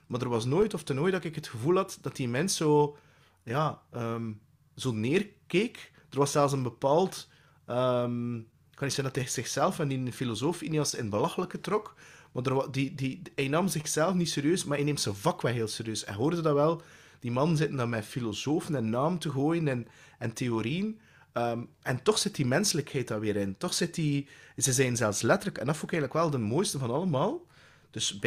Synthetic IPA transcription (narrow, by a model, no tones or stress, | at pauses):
maːdərʋɑsnoːjtɔftənoːjdɑtɪkɦətxəvuːlˠɦɑtd̥ɑtimɛnsoː | jaːəm | zoːneːrkeːk | d̥ərʋɑsɛlˠs̬ənbəpaːlˠt | əm | kɑnɪksɛəndɑtɛz̥ɪxsɛlˠfɛndifilozoːfineɑsɪnbəlɑxələkətrɔkmadərdidiɛjnɑːmzɪxz̥ɛlˠfnitseːɾjøːsmaːɾɛneːmsəvɑkʋɛlˠɦeːlˠseːɾjøːsɛ̰nɦoːrdədɑʋɛlˠ | d̥imɑnənzɪtəndamɛfilozoːfənɛnːaːməntəɣoːjənɛn | ɛnteoɾiən | əmʔɛntɔxz̥ɪtdimɛnsələkhɛjt̚daːrʋeːɾɪntɔxsɪtdizəzɛjənzɛlˠfslɛtərləkɛ̰ndɑtfukɛːɣədləkʋɛlˠdəmoːjstəvɑnɑlˠəmaːlˠ | d̥ɵsb